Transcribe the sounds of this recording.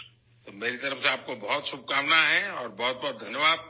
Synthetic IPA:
t̪omeːɾit̪ɐɾəfseaːp̚kobɔɦʊt̪ʃʊp̚kaːmnaɦɛɔːɾbɔɦʊt̪̚bɔːt̪̚d̪ʱɐnjəʋaːd̪̚

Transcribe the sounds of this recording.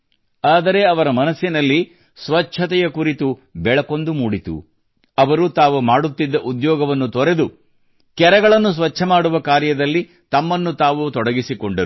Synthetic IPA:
aːd̪ɐɾe̞ɐʋɐɾɐmɐnɐsːinɐlːi | sʋɐt͡ʃʰɐt̪ɛjɐkuɾit̪ubɛɭɐko̞nd̪umuːɽit̪ṵ | ɐʋɐɾut̪aːʋumaːɽut̪ːid̪ːɐʔud̪jɔːɡɐʋɐnːut̪ɔɾe̞d̪u | kɛɾɐɡɐɭɐnːus̬ʋɐt͡ʃːʰɐmaːɽuʋɐkaːɾjɐd̪ɐlːi | t̪ɐmːɐnːut̪aːʋut̪ɔɽɐɡisikoɳɖɐɾu

